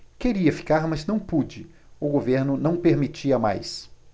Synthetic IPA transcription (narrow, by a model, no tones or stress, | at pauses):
keɾiɐfi̥kaɾmɐznɐ̃w̃pud͡ʒɪ | ʊɡoveɾnʊnɐ̃w̃peɾmit͡ʃiɐma̰js